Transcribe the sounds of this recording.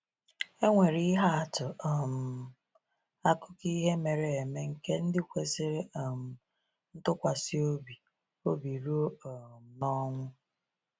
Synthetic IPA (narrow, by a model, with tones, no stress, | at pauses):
e˦ŋʷe˨ɾi˦ɦa˦a˨tʊ˨ɔ˨m̩˨ | a˦kʊ˦ki˦ɦe˦me˨ɾe˨e˨me˦ŋ̩˦ke˦n̩˦dɪ˦kʷe˨sɪ˦ɾe˦ɔ˨m̩˨ | n̩˦tʊ˦kʷa˨si˦o˦bi˨ | o˦bi˨ɾu˦˨m̩˨nɔ˦ŋʷʊ˦